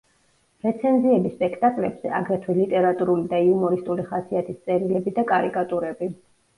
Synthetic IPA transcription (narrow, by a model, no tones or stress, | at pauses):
ɾɛt̪sʰɛnziɛbispʼɛkʰt̪ʼakʼlɛbz̥ɛ̰aɡɾɛt̪ʰwilit̪ʼɛɾat̪ʼuɾulid̪aiumɔɾist̪ʼuliχasiat̪ʰist̪sʼɛɾilɛbid̪akʼaɾikʼat̪ʼuɾɛbi